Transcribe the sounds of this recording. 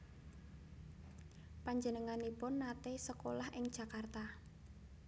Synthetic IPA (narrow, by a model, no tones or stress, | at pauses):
paɲd͡ʒənəŋanipʊnːat̪esəkolahʔɪŋd̥ʒ̥a̤kart̪a